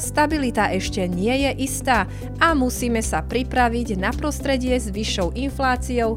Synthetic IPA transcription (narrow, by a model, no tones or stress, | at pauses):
st̪abilit̪aʔɛʃcɛɲɪɛjɛʔist̪aː | ʔamusiːmɛsapɾipɾaʋiɟnapɾɔst̪ɾɛɟɪɛzʋiʃːɔʊʔinflaːt͡siɔʊ